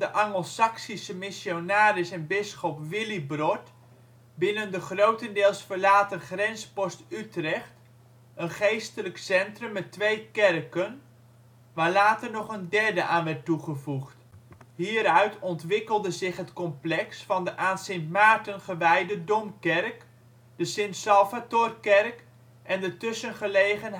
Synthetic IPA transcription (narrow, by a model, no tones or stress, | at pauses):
d̥əʔɑŋəlˠsɑksisəmɪsjonaːɾɪsɛnbɪsχɔpʋɪlibrɔt | bɪnəndəχrowtəndɪːlˠsfəɹlaːtənχrɛnspɔstytrɛχt | ənχejstələksɛntrəmːɛtʋejkɛrkən | ʋaːɹlaːtəɹnɔχəndɛɹdəʔaːnʋɛɹtuχəvuχtɦiːɾœɥtɔntʋɪkəlˠdəzɪχɦətkɔmplɛksfɑndəʔaːnsɪntmaːɹtənχəʋɛjdədɔmkɛɹk | d̥əsɪnsɑlˠvatʊrkɛrk | ʔɛndətɵsənχəlejχən